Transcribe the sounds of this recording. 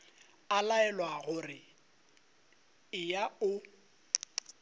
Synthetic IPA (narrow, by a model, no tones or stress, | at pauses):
alaɛlwaɣʊrɪ | ɪjaʊ